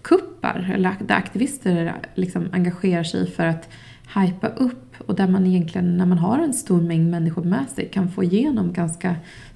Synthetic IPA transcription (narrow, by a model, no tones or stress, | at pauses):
kʰɵpːa̰ɾɛ̰lːəɾad̪æɾʔa̰kt̪ʰɪvɪst̪əɾlɪksɔma̰ŋɡaɧeːɾaʂɛ̰jfœɾat̪ | hajpa̰ʔɵpːɔd̪æɾmanɪjɛnk̪ʰlɪɡənːæɾmanɦaɾɛnst̪uːɾmɛŋːmɛnːɪɧʊɾmɛsɛ̰jkʰanfoːɪjeːnɔmɡanska